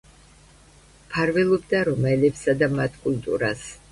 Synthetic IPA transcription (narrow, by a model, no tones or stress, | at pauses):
pʰaɾvɛlˠɔbd̪aɾɔmɛlɛpsad̪amat̪ʰkʼult̪ʼṵɾa̰s